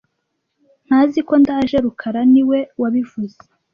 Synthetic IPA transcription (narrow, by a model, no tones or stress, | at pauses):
n̥haːziko̞ndaːʒe̞ɾukʰaɾaniwe̞waβivuze